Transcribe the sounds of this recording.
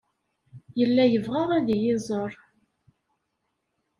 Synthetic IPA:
jəlːæjəvʁaʁæðijɪzˤəɾˤ

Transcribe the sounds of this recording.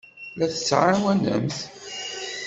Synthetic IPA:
læθə̥t͡sːʕawænə̰mθ

